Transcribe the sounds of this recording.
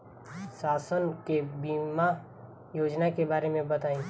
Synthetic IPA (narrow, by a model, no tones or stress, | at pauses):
saːsənkebiːma | joːd͡ʒnakebaːɾemẽbɐt̪aːĩː